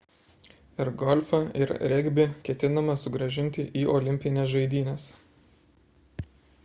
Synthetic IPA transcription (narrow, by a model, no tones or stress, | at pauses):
ɪɾɡɔlʲfɐɪɾɾʲɛɡʲbʲɪkʲɛt̪ʲɪnɐmɐsʊɡɾɐʒʲɪnʲt̪ʲɪʔiːʔɔːlʲɪmʲpʲɪnʲɛsʒɐɪd̪ʲiːnʲɛs